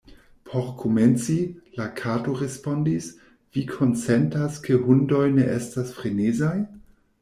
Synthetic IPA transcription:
pʰo̞ɾkʰoment͡silakʰatoɾe̞spo̞ndis | v̥ikʰo̞nsentaskʰehundo̞jneʔestasfɾenezaj

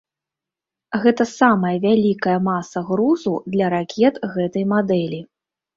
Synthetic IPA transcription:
ɣɛt̪ɐsamɐjɐvʲalʲikɐjɐmasɐɣɾuzud̪lʲɐɾakʲʰɛt̪ɣɛt̪ɐjmad̪ɛlʲi

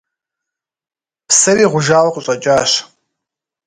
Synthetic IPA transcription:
pʰsɐɾiːʁʷʊʒaːwɐqʷʼʊɕʼɐt͡ʃʼaːɕ

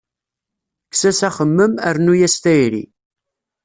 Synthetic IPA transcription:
ksæsæχəmːəmæɾnujæst̪æjɾḭ

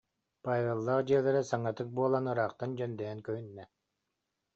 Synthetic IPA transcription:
paːvʲelˠːaːqd͡ʑiɛlʲɛɾɛsaŋːat̪ɯk̚buɔlˠanɯɾaːqt̪and͡ʑœnd̪ɛjɛŋkœɦynːɛ

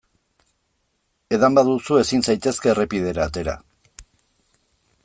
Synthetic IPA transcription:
e̞ðambaðusue̞sinsajt̪e̞ske̞ːrepið̞e̞ɾaːt̪e̞ɾa̰

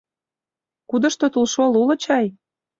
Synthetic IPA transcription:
kud̪ɤ̆ʃt̪ot̪ulʃolulɤ̆t͡ɕɑj

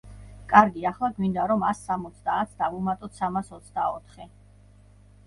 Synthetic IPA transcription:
kʼaɾɡiaχlˠaɡwind̪aɾɔmasːamɔt̪sʰd̪aːt̪sʰd̪avumat̪ʼɔt̪ʰsamasɔt̪sʰd̪aɔt̪ʰχɛ

